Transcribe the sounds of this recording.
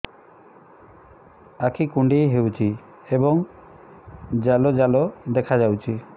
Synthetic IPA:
akʰikuɳɖiɦewt͡ʃʰi | ebɔŋ | d͡ʒalod͡ʒalod̪ekʰad͡ʒawt͡ʃʰi

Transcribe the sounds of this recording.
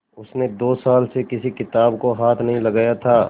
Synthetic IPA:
ʊsned̪oːsaːlsekɪsikɪt̪aːbkoɦaːt̪ʰnɐɦĩlɐɡaːjat̪ʰaː

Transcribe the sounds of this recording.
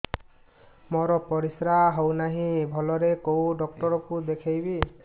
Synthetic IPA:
mɔɾɔpɔɾisɾaɦownaɦĩbʱɔlɔɾekowɖɔk̚ʈɔɾɔkud̪ekʰajbi

